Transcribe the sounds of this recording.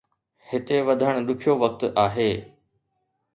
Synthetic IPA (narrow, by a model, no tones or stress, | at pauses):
hɪt̪eʋɐd̪ʱəɽ̃ɗ̪ʊkʰijoʋɐk̚t̪aːɦeː